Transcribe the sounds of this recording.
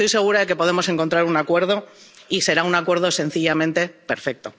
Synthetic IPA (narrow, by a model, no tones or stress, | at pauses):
t̪o̞jse̞ɣ̞uɾaðe̞ke̞po̞ð̞e̞mo̞se̞ŋko̞nt̪ɾaɾunakwe̞ɾð̞o̞ise̞ɾaunakwe̞ɾð̞o̞se̞n̟θiʎamẽnt̪e̞pe̞ɾfe̞k̚t̪o̞